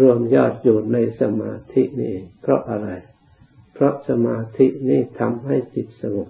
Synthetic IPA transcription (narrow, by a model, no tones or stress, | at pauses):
ruəmjɑːt̪̚juːnnɨjsamaːt̪ʰiʔnḭʔepʰrɔʔʔaːɾaj | pʰrɔʔsamaːt̪ʰiʔniht̪ʰamʔajtit̪̚saʋup̚